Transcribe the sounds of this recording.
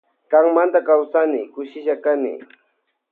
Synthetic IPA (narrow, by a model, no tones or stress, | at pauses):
kaŋmant̪akawsanɪkʊʃɪʃakanɪ̰